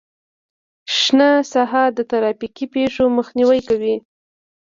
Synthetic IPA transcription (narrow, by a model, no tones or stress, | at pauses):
ʃnasaɦɑd̪ət̪aɾɑfikipeʂoməxniwəjkawi